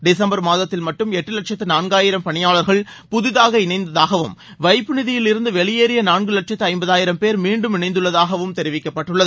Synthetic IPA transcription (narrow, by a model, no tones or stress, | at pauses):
ɖɪsɐmbɐɾmaːðɐt̪ːɪlmɐʈːɯmɛʈːɯlɐʈ̚t͡ʃɐt̪ːɯnaːnɡaːjɪɾɐmpɐɳɪjaːɭɐɾɣɐɭ | pʊðɪðaːɣɐɪnɐɪnd̪ɐðaːɣɐʋɯm | ʋɐɪpːɯnɪðɪjɪlɪɾɯnd̪ɯʋɛɭɪjeːɾɪjɐnaːnɡɯlɐʈ̚t͡ʃɐt̪ːɯɐɪmbɐðaːjɪɾɐmpeːɾmiːɳɖɯmɪnɐɪnd̪ɯɭːɐðaːɣɐʋɯmt̪ɛɾɪʋɪkːɐpːɐʈːɯɭːɐðɯ